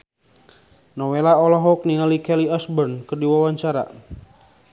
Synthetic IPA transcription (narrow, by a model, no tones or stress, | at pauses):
nɔwelaɔlɔɦɔk̚niŋalikɛliasbərnkərdiwawaɲt͡ʃaɾa̰